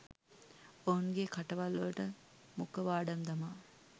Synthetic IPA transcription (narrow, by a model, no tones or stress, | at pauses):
ouŋɡekʰaʈɐʋɐlːuʈə | mukəʋaːɖɐmd̪ɐmaː